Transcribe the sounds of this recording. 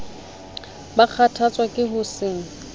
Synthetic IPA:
bak͡xʰatʰat͡sʼwakʼɪɦʊsɪŋ̩

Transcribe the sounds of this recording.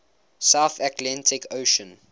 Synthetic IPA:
saʊθatʰlɛ̃ntʰɪkʰoʃə̃n

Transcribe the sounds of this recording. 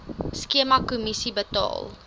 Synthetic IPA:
skiəmɐkumisibətɑ̰ːlˠ

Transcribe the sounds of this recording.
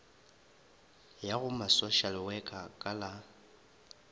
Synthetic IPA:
jaɣʊmasoʃalwɛkʼakʼala

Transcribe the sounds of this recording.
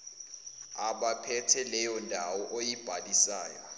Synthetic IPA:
aɓapʰɛtʰɛlɛjɔndʱawɔʔojib̥ʱalisaːjɔ

